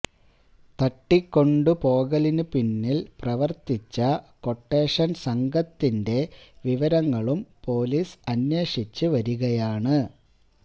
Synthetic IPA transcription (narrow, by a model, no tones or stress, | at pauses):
t̪ɐʈːikːo̞ɳɖɨpo̞ːɣɐlinɨpinːilprɐʋɐrt̪it͡ɕːɐko̞ʈːe̞ːʂɐnsɐŋɡʱɐt̪ːinde̞ʋiʋɐɾɐŋːɐɭumpo̞ːliːsɐnje̞ːʂit͡ɕːɨʋɐɾuɣɐjaːɳɨ